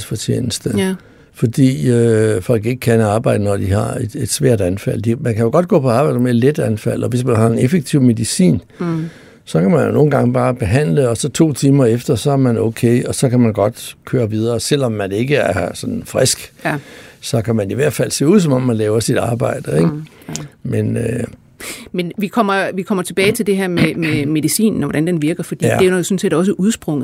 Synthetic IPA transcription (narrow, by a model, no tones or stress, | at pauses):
sfɒt͡ɕʰḛːnəsd̥ə | fɒ̽d̥ḭːøfɒ̽l̰ɡ̥e̝ɡ̥əkʰænəɑ̈ːb̥ɑ̈ɪ̰d̥ənɒd̥ihɑ̈e̝d̥e̝d̥sʋɛɐ̰d̥ænfæl̰d̥emænkʰæjo̝ɡ̥ɒ̽d̥ɡ̥ɔ̰ːpʰɒ̽ɑ̈ːb̥ɑ̈ɪ̰d̥əmeled̥ænfæl̰ɒ̽ʋe̝smænhɑ̈e̝nefeɡ̥̚t͡sʰiʊ̰me̝ðˠisḭːn | sɒ̽kʰæmænjono̝ːn̩ɡ̥ɑ̈ŋb̥ɑ̈ːb̥e̝ɦæn̰ləɒ̽sɒ̽t͡sʰo̝̰ːt͡sʰiːmɐefd̥ɐsɒ̽æɐmænoʊkʰeɪɒ̽sɒ̽kʰæmænɡ̥ɒ̽d̥kʰøːɐʋið̞ˠɐːsel̰ɒ̽mːæne̝ɡ̥əæɐsɒ̽d̥n̩fʁɛsɡ̥ | sɒ̽kʰæmæniʋæɐd̥fæl̰se̝̰ːuð̰ˠsɒ̽mɒ̽mːænlɛːʊɐsid̥ɑ̈ːb̥ɑ̈ɪ̰d̥əeɡ̥ | menø | menʋikʰɒm̰ɐʋikʰɒ̽m̰ɐt͡sʰe̝b̥ɛːɪt͡sʰe̝ld̥e̝ɦæɐ̰mememe̝ðisḭːnn̩ɒʋɒd̥ænd̥enʋiɐɡ̥ɐfɒ̽d̥ḭːædejsɔ̽n̩se̝̰ːd̥ɒ̽s̬əʔuðˠsb̥ʁɔ̽ŋð̩ˠ